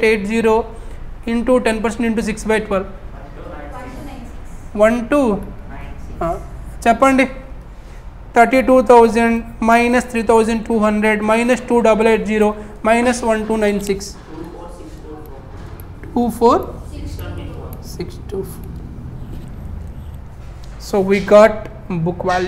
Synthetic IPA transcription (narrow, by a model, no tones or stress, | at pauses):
eːʈ̚d͡ʒiːɾoːiɳʈuʈenp̬ɐɾs̬eɳʈiɳʈ̬us̬iksbajʈʋɐlʋ | ʋɐnʈuː | aːt͡ʃɛpːɐɳɖi | t̪ʰɐɾʈiːʈuːt̪ʰɐwd͡ʒɐɳɖmɐjnɐst̪ʰɾiːt̪ʰɐwd͡ʒɐɳɖʈuːɦɐɳɖɾeɖmɐjnɐsʈuːɖɐbɐleːʈ̚d͡ʒiːɾoː | maɪnɐsʋɐ̃nʈuːnãɪnsiks | ʈuːfʰoːɾ | siksʈufo | soːʋiːɡaːʈ | bukʋaːl